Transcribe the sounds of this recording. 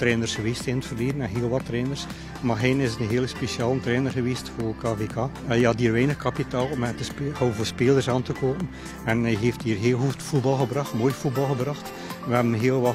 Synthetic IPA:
tɾɛːnərsxəʋiːstɪnətfərliːdənɛnɦeːlˠʋɑtːrɛːnərs | maɦɛːnɪsətənɦeːləspesjaːlˠəntɾɛːnərɣəʋiːstfoːkaːveːkʰaː | jəɦɑtɦiːrʋɛːnəxkɑpitaːlˠɔmɛtəsphowvoːspeːlˠərsaːntəkoːpən | ɛnɛjɦeːftiːrɦeːlˠɦutfud̚bɑlˠɣəbrɑxtmoːjfud̚bɑlˠɣəbrɑxt | ʋəɦɛbənɦeːlˠʋɑ

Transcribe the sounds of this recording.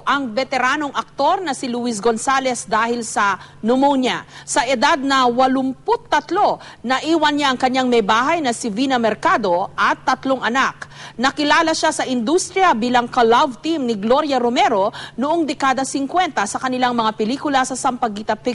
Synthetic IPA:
ʔɐŋbɛt̪ɛɾaːno̞ŋʔɐk̚t̪o̞ɾnɐsɪlʊis̬ɡo̞nsalɛsd̪aːhɪlsɐnʊmowɲasɐʔɛd̪ad̪̚nɐwɐlʊmpʊt̪ːɐt̪lo̞ | nɐʔiːwɐnɲaʔɐŋkɐɲːaŋmɐjbaːɦɐjnɐsɪvinɐmɛɾkad̪o̞ʔɐt̪ːɐt̪loŋʔɐnaknɐkɪlaːlɐʃasɐʔɪnd̪ust̪ɾɪjɐbiːlɐŋkɐlavt̪imnɪɡlo̞ɾjɐɾomɛɾo̞nʊʔoŋd̪ɛkaːd̪ɐsɪŋkwɛnt̪ɐsɐkɐnɪlaŋmɐŋapɪliːkʊlɐsɐsɐmpɐɡiːt̪ɐpɪ

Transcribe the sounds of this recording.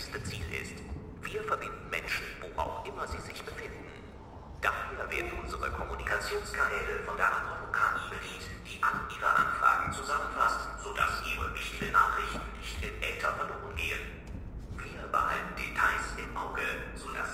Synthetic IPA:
stət͡siːlʔɪ̰st | v̥iːɐfɛɐbɪndn̩mɛ̰nʃn̩vo̰ːʔa̰ʊxʔɪmɐziːzɪçb̥əfɪndnn̩ | d̥aːhyːɐvḛːɐdn̩ʔʊnzəʁə̰kʰɔmunikʰat͡sjoːnskʰanɛːləfɔndeːɐʔadʁabokʰaːnb̥ədiːntd̥iːʔaləʔiːʁə̰ʔa̰nfʁ̥a̰ːɡŋ̩t͡suzamənfastz̥oda̰sʔiːʁə̰vɪçtɪɡənaːχʁ̥ɪçtn̩nɪçtɪnʔɛ̰ltʰɐ̰fɛɐloːʁ̞ənɡeːən | viːɐba̰ːlndḛtʰaɪsɪmʔaʊɡəz̥oːda̰s

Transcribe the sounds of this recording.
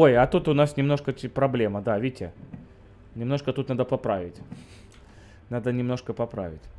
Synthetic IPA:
o̞jɐt̪ut̪ʊnasnʲɪmno̞ʂkəpɾɐblʲe̞məd̪avʲedʲɪtʲɪ | nʲɪmno̞ʂkət̪ut̪nad̪əpɐpɾavʲɪtʲ | nad̪ənʲɪmno̞ʂkəpɐpɾa̰vʲɪtʲ

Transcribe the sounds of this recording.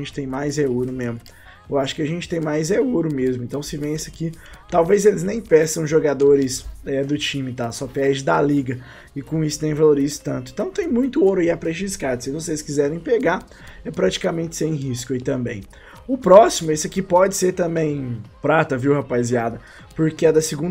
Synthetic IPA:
ẽnt͡ʃɪ̥t̪ẽj̃majzeuɾʊmẽzmʊ | ewaʃʊ̥kɪaʒẽnt͡ʃɪ̥t̪ẽj̃majzeoɾʊmezmʊẽnt̪ɐ̃w̃sɪvẽj̃ɛsɪakit̪awvezelɪznẽj̃pɛsɐ̃w̃ʒoɡad̪oɾɪsɛd̪ʊt͡ʃĩmɪt̪asɔpɛɾd͡ʒɪd̪aliɡɐ | ɪkõisʊ̥t̪ẽj̃valoɾizɪ̥t̪ɐ̃nt̪ʊ̃ɪ̃ẽt̪ɐ̃w̃t̪ẽj̃mũj̃t̪ʊoɾʊɐiapɾẽʃiskad̪ʊsɪvoseskizɛɾẽj̃peɡa | ɛpɾat͡ʃi̥kamẽnt͡ʃ̪ɪ̥sẽj̃ɦiskʊɐit̪ɐ̃bḛ̃j̃ | ʊpɾɔsimʊesɪakipɔd͡ʒɪseɾt̪ɐ̃mbẽj̃pɾat̪ɐviwhapaziad̪ɐ | poɾkɪɛd̪ɐsɪɡũ

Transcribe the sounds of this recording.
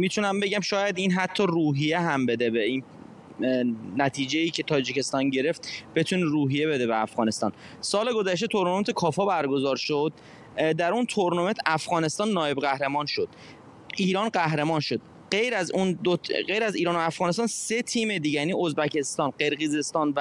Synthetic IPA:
mit̪ʰunæmbe̞ɟæmʃɒːjæd̪iːnɦæt̪ʰːɒːruːɦijeɦæmbe̞d̪ebein | næt̪ʰiːd͡ʒeiːcʰe̞t̪ʰɒːd͡ʒicʰe̞st̪ɒːnɟe̞ɾe̞ft̪b̥e̞t̪ʰuneɾuːɦijebe̞d̪ebeæfɣɒːne̞st̪ɒ̰ːn | sɒːle̞ɡo̞zæʃt̪e̞t̪ʰo̞ɾnoment̪ʰekʰɒːfɒːbæɾɡo̞zɒːɾʃod̪̥̚ | d̪æɾunt̪ʰoɾnoment̪ʰæfɣɒːne̞st̪ɒːnːɒːje̞bɣæhɾe̞mɒːnʃo̞d̪̥ | ʔiːɾɒːnɢæhɾemɒːnʃo̞d̪̥̚ | ɢejɾæzund̪oɢejɾæziːɾɒːnoæfɣɒːnest̪ɒːnse̞t̪ʰiːmed̪iːɟejænio̞zbæcʰe̞st̪ɒːnɢe̞ɾɣize̞st̪ɒːnvæ

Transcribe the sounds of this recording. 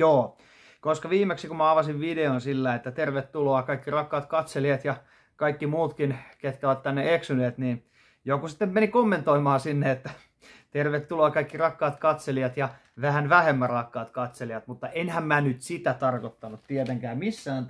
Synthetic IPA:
joː | koskɑʋiːmeksikumæɑʋɑsiʋʋideonsilːæet̪ːæt̪erʋet̪ːuloɑkɑikːirɑkːɑːt̪kɑt̪seliɑt̪jɑ | kɑikːimuːt̪kinket̪kæʋæt̪t̪ːænːeeksyneːt̪niːn | jokusi̥t̪ːemmenikomːent̪oimɑːsinːeet̪ːæ | t̪erʋet̪ːuloːkɑikːirɑkːɑːt̪kɑt̪seliɑt̪jɑ | ʋæhænʋæhemːærɑkːɑːt̪kɑt̪seliɑt̪mut̪ːɑʔenhæmmænyt̪sit̪æt̪ɑrkot̪ːɑnut̪t̪iɛt̪eŋkæːmmisːæːn

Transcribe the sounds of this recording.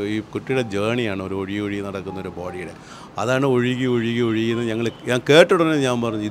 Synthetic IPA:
iːkuʈːiɽe̞d͡ʑeːɳijaːɳɨo̞ɾuoɻiɣioɻinɐɽɐkːunːɐo̞ɾuboːɽiuɽḛ | ɐðaːɳɨoɻiɣioɻiɣːioɻikːunːɐɲɐŋːɐɭɲaːŋke̞ːʈːuɽɐnːeɲaːnpɐrɐɲːui

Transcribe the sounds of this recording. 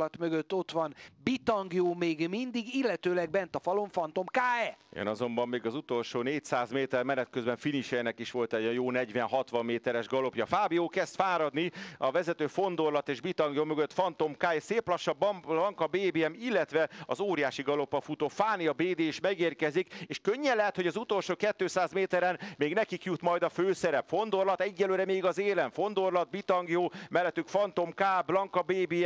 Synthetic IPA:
ɒt̪møɡøt̪ːo̞t̪ʋɒnbit̪ɒŋɡijoːmeːɡmind̪iɡilːɛt̪øːlɛɡbɛnt̪ɒfɒlo̞ɱfɒnt̪o̞mkaːɛḛnɒzo̞mbɒmːeːɡɒzut̪o̞lʃoːneːcsaːzmeːt̪ɛrmɛnɛt̪̚køzbɛɱfiniʃɛnɛkiʃʋo̞lt̪ɛɟɒjoːnɛɟʋɛnɦɒt̪ʋɒmːeːt̪ɛɾɛʒɡɒlo̞pjɒfaːbioːkɛst̪faːɾɒd̪niɒvɛzɛt̪øːfo̞nd̪o̞rlɒt̪eːʒbit̪ɒŋɡjoːmøɡø̞t̪fɒnt̪o̞mkaːɛseːplɒʃːɒblɒŋkɒbeːbeɛmilːɛt̪ʋɛɒzoːɾijaːʃiɡɒlo̞pːɒfut̪oːfaːniɒbeːd̪eːiʃmɛɡeːrkɛzikeːʃkøɲːɛlːɛɦɛt̪ho̞ɟɒzut̪o̞lʃoːkɛt̪ːøːsaːzmeːt̪ɛɾɛnmeːɡnɛkikjut̪mɒjd̪ɒføːsɛɾɛpfo̞nd̪o̞rlɒt̪ɛɟːɛlːøːɾɛmeːɡɒzeːlɛɱfo̞nd̪o̞rlɒd̪̚bit̪ɒŋɡijoːmɛlːɛt̪ːykfɒnt̪o̞mkaːblɒŋkɒbeːbe

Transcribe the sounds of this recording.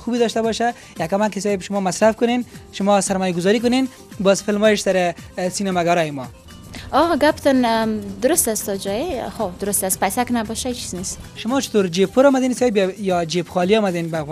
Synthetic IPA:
xubed̪ɔʃt̪abɔʃa | jakamakɪsɑjbʃʊmɔmasɾafkʊnenʃʊmɔsaɾmɔjaɡʊzɔɾik̬ʊnen | bɔzfɪlmɔjɪʃsaɾɪsinamaɡaɾɔjɪmɔ | ɔɡapt̪ɔnd̪ʊɾʊst̪ast̪ɔd͡ʒɔjexod̪ʊɾʊst̪aspajsaknabɔʃait͡ʃi̥znesʃʊmɔt͡ʃɪ̥t̪oɾd͡ʒeppʰːʊɾɔmad̪ensɑjbjjɔd͡ʒepxɔliɔmad̪enbaːfɣ

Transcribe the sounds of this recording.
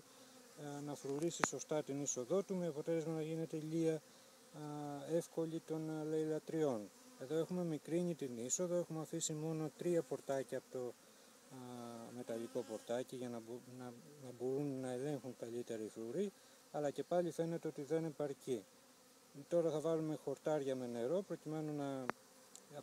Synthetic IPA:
nɐfɾuɾisiso̞st̪ɐt̪iniso̞ðo̞t̪umeɐpo̞t̪e̞le̞zmɐnɐʝine̞t̪eʎiɐ | e̞fko̞ʎit̪o̞nleilɐt̪ɾio̞n | e̞ðo̞e̞xume̞mikɾiɲit̪iniso̞ðo̞e̞xumeɐfisimo̞no̞t̪ɾiɐpo̞ɾt̪ɐciɐpot̪o̞ | me̞t̪ɐliko̞po̞ɾt̪ɐciʝɐnɐbnɐnɐbo̞ɾunːɐe̞le̞ŋxuŋkɐʎit̪e̞ɾiifluɾi | ɐlɐce̞pɐʎife̞ne̞t̪e̞o̞t̪iðe̞ne̞pɐɾci | t̪o̞ɾɐθɐvɐlume̞xo̞ɾt̪ɐɾʝɐme̞ne̞ɾo̞pɾo̞cime̞nunɐ

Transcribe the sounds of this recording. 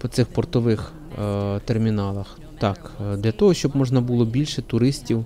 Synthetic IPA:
pɔt̪sɪxpɔrt̪ɔʋɪx | t̪ermʲinɑlˠɐx | t̪ɑkd̪lʲɐt̪ɔɦɔʃʲt͡ʃɔbmɔʒnɐbulˠɔbʲilʲʃɛt̪ʊɾɪsʲtʲiw

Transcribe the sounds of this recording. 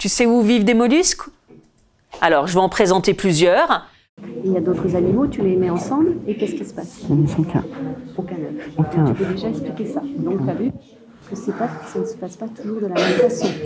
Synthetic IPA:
t̪ysɛuvivd̪emɔlysk | a̰lɔʁʒəvøɑ̃pχezɑ̃t̪eplyzjœʁ | iljad̪ot̪χəzanimot̪ylemɛɑ̃sɑ̃blekʲɛskʲilsə̥pasnskɛ̰̃okʲɛ̃nɔ̰fokɛ̃vød̪eʒaɛksplikʲesad̪ɔ̃ktyavy | kəsɛpassɔnəsə̥paspat̪uʒuʁd̪əlameit̪asjɔ̃

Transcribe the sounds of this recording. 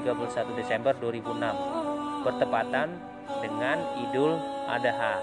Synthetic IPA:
iɡapulusat̪udesɛmbərduaɾibunambərt̪əpat̪an | dəŋanidʊlʔa̰daɦa

